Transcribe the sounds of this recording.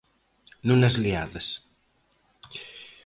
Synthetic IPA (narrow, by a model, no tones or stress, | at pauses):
nunɐzlia̰ðɐs